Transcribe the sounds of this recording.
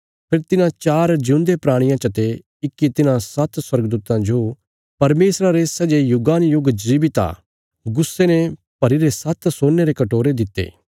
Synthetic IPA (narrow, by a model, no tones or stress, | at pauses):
pʰɪɾt̪ɪnãt͡ʃaːɾd͡ʒũːnd̪epɾaːɽ̃ɪjãt͡ʃɐt̪e | ɪkːit̪ɪnãsɐt̪swɐɾɡd̪uːt̪ãd͡ʒo | pɐɾmeːsɾaɾesɐd͡ʒejʊɡaːnjʊɡd͡ʒiːbit̪a̰ | ɡʊsːene | pɐɾiɾesɐt̪soːnːeɾekɐʈoːɾed̪ɪt̪ːḛː